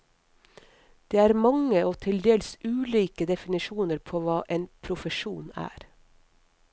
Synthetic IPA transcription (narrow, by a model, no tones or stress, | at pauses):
d̪̥eːæːɾmɑŋəoːt̪ʰɪld̪eːlsʉːliːkəd̪ɛfɪnɪʃuːnəɾpʰoːʋɑːʔeːnpʰɾʊfəʃuːnæ̰ːɾ